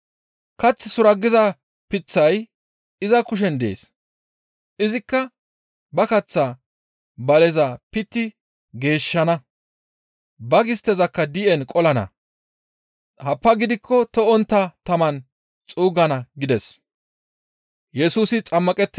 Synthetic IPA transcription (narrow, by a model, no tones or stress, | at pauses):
kɐt͡sːɪsʊɾɐɡːɪzɐ | pɪt͡sːɐj | ɪzɐkʊʃ̬ɛnd̪ḛːs | ʔɪzɪkːɐ | bɐkɐt͡sːa | bɐlɛzɐpɪt̪ːɪ | ɡe̞ːʃːɐnɐ | bɐɡɪst̪ɛzɐkːɐd̪ɪʔɛnkʼɔlɐnɐ̰ | hɐpːɐɡɪd̪ɪkʰːɔt̪ɔɔnt̪ːɐt̪ɐmɐn | t͡sʼuːɡɐnɐɡɪd̪ɛs | jɛsuːsɪt͡sʼɐmːɐkʼɛt̪ːɪ